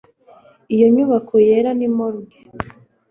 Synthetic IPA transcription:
ijo̞ɲuβakʰoje̞ɾanimoɾuɡe

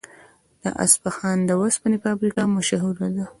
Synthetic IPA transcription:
d̪̥ə̰ʔa̰sbaxɑnd̪əwaspanipəabɾikɑmaʃɦuɾad̪a

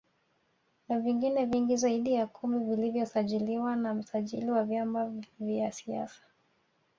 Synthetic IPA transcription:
naviŋɡinɛviŋɡizaiɗijakʰumivilivjɔsaʄiliwanam̩saʄḭliwavjamavjasia̰sḁ

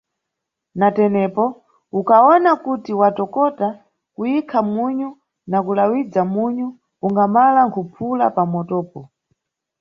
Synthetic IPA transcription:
natɛnɛpɔ | ukaɔnakutiwatɔkɔta | kuikʰamuɲu | nakulawid͡zamuɲu | uŋɡamalaŋkʰupʰulapamɔtɔːpɔ

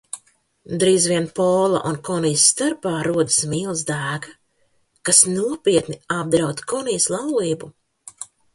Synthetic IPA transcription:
d̪ɾiːzviɛnpɔːlˠa̰ʔunkɔnijsːt̪aɾpaːɾuɔd̪asmiːlˠzd̪æːɡa | kasnuɔpiɛt̪niab̚d̪ɾawt̪kɔnijslˠawliːbu

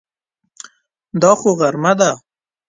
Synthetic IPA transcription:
d̪ɑxoɣaɾmad̪a

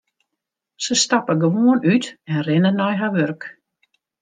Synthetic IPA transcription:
səst̪apəɡəʋuənyt̪ɛnrɪnənɔjɦaʋørk

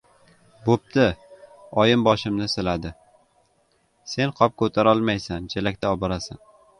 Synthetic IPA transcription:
bop̚t̪ɪɒjɪmbɒʃɪmnɪsɪlad̪ɪ | se̞nqʰɒp̚kʰɵt̪ʰaɾɒlˠmajsant͡ʃʰelakʲt̪ʰaɒbɒɾasan

